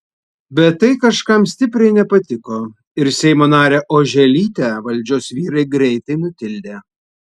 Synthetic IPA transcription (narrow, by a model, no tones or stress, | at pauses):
bʲɛt̪ːɐɪkɐʃkɐmsʲt̪ʲɪpʲɾʲɛɪnʲɛpɐt̪ʲɪkoː | ɪɾsʲɛɪmoːnɑːɾʲeːʔoːʒʲɛlʲiːt̪ʲɛʋɐlʲˑd͡ʒʲoːsʋʲiːɾɐɪɡɾʲɛɪt̪ɐɪnʊt̪ʲɪlʲd̪ʲeː